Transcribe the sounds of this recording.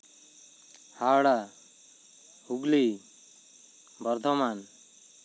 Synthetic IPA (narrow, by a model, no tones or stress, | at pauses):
hawɽa | huɡli | bʌɾt̪ʰɔman